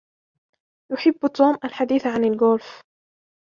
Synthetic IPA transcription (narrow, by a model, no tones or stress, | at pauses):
jʊħɪbːt̪uːmʔalħad̪iːθʕanɪlɡʊlf